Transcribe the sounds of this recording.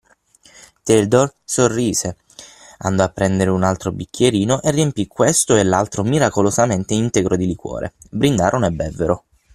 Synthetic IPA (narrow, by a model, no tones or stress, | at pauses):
t̪eld̪orsorːiːze | a̰nd̪oapːɾɛnd̪eɾeunalt̪ɾobikʰʲːjeɾiːnoʔeriempikwest̪oelːalt̪ɾomiɾakolozament̪eint̪eɡɾod̪ilikwɔ̰ːɾʔḛ | bɾind̪aːɾʔonɛbːɛvːeɾo